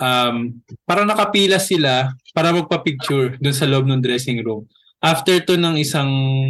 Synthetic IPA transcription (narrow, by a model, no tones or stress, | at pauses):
ʔɐmpaːɾɐnɐkɐpiːlɐsɪlapaːɾɐmɐɡ̚pɐpɪɡ̚t͡ʃʊɹd̪ʊnsɐlʔob̚nɐŋd̪ɾɛsɪŋɾum | ʔaft̪ɛɹt̪onɐŋʔɪsaŋ